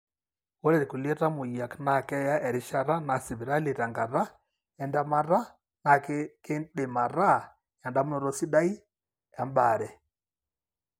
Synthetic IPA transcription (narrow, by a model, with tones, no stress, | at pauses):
o˦ɾɛ˨ɾi˨ku˨li˦ɛ˦ta˦mu˨ia˨kna˨kɛ˦ja˦ʔɛ˨ɾi˦ʃa˦ɾa˦na˨si˨βi˨ɾa˦li˨ɾa˨ŋɡa˨ɾa˦ | ɛ˨nda˦ma˦ɾa˦ | na˨kke˦nɗe˨ma˨ɾa˦ | ja˨nda˦mu˦nɔ˨˦ɾɔ˦si˦da˦i˦ | a˨mba˨ɾɛ˨